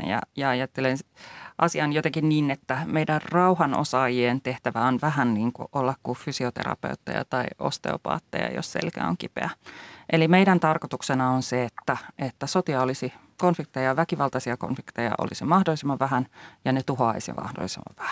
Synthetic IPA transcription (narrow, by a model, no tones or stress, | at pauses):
jɑ̰jɑɑjɑt̪ːelenʔɑsiɑnjot̪eŋkinniːnet̪ːæmeidærrɑuhɑno̰sɑːjient̪eht̪æʋæonʋæhænniːŋkṵʔolːɑkkːufysiot̪ḛɾrɑ̰pḛut̪ːḛjɑ̰t̪ɑiost̪ḛopɑ̰ːt̪ːḛjɑ̰jo̰ssḛlkæ̰o̰ŋkipḛæʔelimeiɾænt̪ɑrkot̪uksenɑonseet̪ːæʔet̪ːæsot̪iɑolisi | konfik̚t̪ejɑʋækiʋɑlt̪ɑsiɑko̰nfikt̪ejɑ̰ʔo̰lisimɑhdolːˑisemːɑʋʋæɦænjɑnet̪uɦoɑ̰isḭmɑ̰hdo̰lːˑisḛmːɑ̰ʋʋæ̥hæ̥n